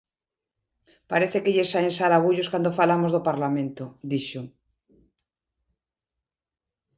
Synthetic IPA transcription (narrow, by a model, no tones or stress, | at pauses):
paɾeθekeʎesaensaɾaβ̞uʎoskand̪ofalamozðopaɾlamẽnt̪od̪iʃo